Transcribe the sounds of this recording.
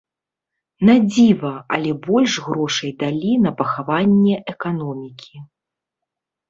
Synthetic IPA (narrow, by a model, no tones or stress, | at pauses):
nad͡zʲivɐɐ̰lʲɛbɔlʲʂɣɾɔʂɐjd̪alʲinɐpɐxavanʲːɛʔɛkanɔmʲikʲi